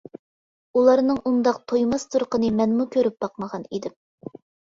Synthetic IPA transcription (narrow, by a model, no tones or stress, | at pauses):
ulˠɑɾnɨŋʔund̪ɑq̚t̪ʰojmɑst̪ʰuɾqənɨmɛnmukʲʰøɾyp̚bɑqməʁɑnid̪ɪm